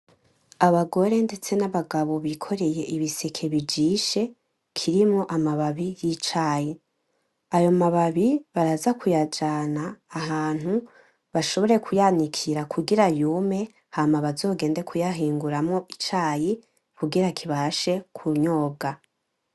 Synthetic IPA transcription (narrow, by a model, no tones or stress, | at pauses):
aβaɡo̞ɾe̞nde̞t͡se̞naβaɡaβo̞βikʰo̞ɾe̞je̞ʔiβisekʰe̞βid͡ʒiːʃe̞ | kʰiɾimŋoʔamaβaβijit͡ʃaːji | ajo̞maβaβiβaɾazakʰujad͡ʒaːnaːɦaːn̥hu | βaʃo̞βo̞ɾe̞kʰujanikʰiɾakʰuɡiɾajuːme̞ | hamaβazo̞ːɡe̞ːnde̞kʰujaɦiːŋɡuɾamŋo̞it͡ʃaːji | kʰuɡiɾakʰiβaʃe̞kʰuɲo̞ːɡa